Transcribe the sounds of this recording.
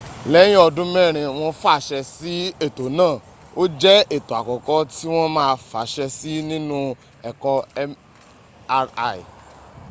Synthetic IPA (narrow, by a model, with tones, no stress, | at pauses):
lɛ˨˦j̃ɔ˧dũ˦mɛ̃˦˨ɾ̃ĩ˧w̃ɔ̃˧fa˦˨ʃɛ˧si˨˦e˦˨to˨nãː˦˨ | o˦d͡ʒɛ˦e˦˨to˨a˨kɔ˨kɔ˦ti˦w̃ɔ̃˦mãː˦˧fa˨˦ʃɛ˧si˦nĩ˦nũ˦ | ɛ˨kɔ˦˧˨ | ḭ˨